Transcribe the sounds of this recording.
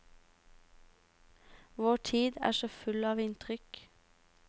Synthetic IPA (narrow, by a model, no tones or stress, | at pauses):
ʋoːʈʰiːd̪æ̰ːʃoːfʉlɑːʋɪnt̪ʰʁʏk